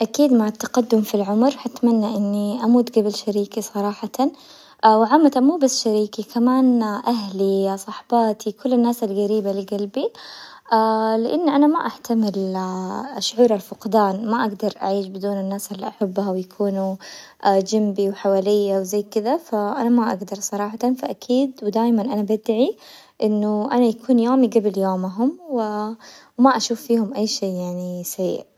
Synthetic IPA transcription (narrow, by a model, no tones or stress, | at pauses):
ʔakiːd̪maʕat̪ːḁqɑd̪ːʊmfilʕʊmɾħat̪manːaʔɪnːiʔamuːd̪ɡabɪlʃaɾiːkisˤɑɾˤɑːħɑt̪a | wɪʕamːat̪amuːbasːʃaɾiːkikamaːnʔaɦlisˤɑħbɑːt̪ʰikʊlːanːaːsalɡaɾiːbalɪɡalbi | ʔalɪʔɪnːʔanamaʔaħt̪amɪl | ʔaʃʕuːɾalfʊqd̪aːnmaʔaɡd̪ɑɾˤʔa̰ʕiːʃbɪd̪uːnɪnːaːsʔɪlːiʔaħabːhawjakʰuːnuʔd͡ʒambiwħawaːlɪjːawzajːkɪd̪afaʔanamaʔa̰ɡd̪ɑɾˤsˤɑɾˤɑːħɑt̪anfaʔakʰiːd̪wɪd̪aːjmanʔanabad̪ʕi | ʔɪnːʊʔanajakʰuːnjoːmiɡabɪljoːmɦʊmwɪwmaʔaʃuːfːiːhʊmʔajːʃeːʔjaʕnisaʕḭːʕ